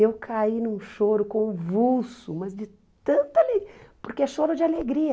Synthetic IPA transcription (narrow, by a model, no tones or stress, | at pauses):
ewkʰainũʃoɾʊkõũvulsʊmɐzd͡ʒɪ | t̪ɐ̃nt̪ɐalepoɾkeɛʃoɾʊd͡ʒɪaleɡɾiɐ